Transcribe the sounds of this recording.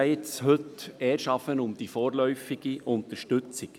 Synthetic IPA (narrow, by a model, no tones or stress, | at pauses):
ɪtshɵtɛːɾʃɑfənʊmd̥̪ifɔːɾlœʏfiɡiʔʊnt̪əɾʃtɵt͡sɪk